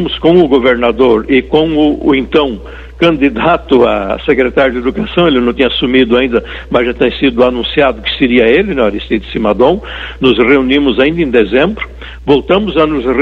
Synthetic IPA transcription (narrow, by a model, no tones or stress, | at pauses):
mʊskõw̃ʊɡoveɾnad̪oɾɪkõw̃ʊẽnt̪ɐ̃w̃ | kɐ̃nd̪id̪at̪ʊa̰sekɾet̪aɾjʊd̪ed̪ukasɐ̃w̃elɪnɐ̃w̃t̪ĩɲɐasumid̪ʊaĩnd̪ɐ | mɐzʒat̪ẽj̃sid̪ʊanũsiad̪ʊkɪ̥seɾiɐelɪnɛ̃aɾist̪id̪ɪ̥simad̪õw̃nʊzreunimʊzaĩnd̪ɐẽd̪ezẽmbɾʊ | vowt̪ɐ̃mʊzɐnʊzr